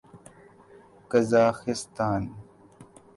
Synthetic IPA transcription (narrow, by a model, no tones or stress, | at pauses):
kɐzaːxɪst̪aːn